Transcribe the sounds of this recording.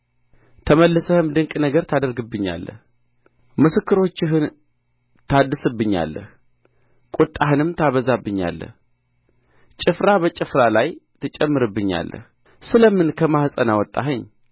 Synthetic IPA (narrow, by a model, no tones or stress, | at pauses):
t̪ʰəməlːɨsəhɨmd̪ɨŋkʼnəɡəɾt̪ʰad̪əɾɡɨbːɨɲːa̰lːə̰h | mɨsɨkːɨɾo̞t͡ʃːɪɦɨn | t̪ʰad̪ːɨsɨbːɨɲːa̰lːə̰h | kʼut̪ʼːaɦɨnɨmt̪ʰaβəzabːɨɲːa̰lːə̰h | t͡ʃʼɪfɾabət͡ʃʼɪfɾalajt̪ʰɨt͡ʃʼɛmːɨɾɨbːɨɲːa̰lːə̰h | sɨləmɨnkʰəmahsʼənawɔt̪ʼːa̰ɦɨɲː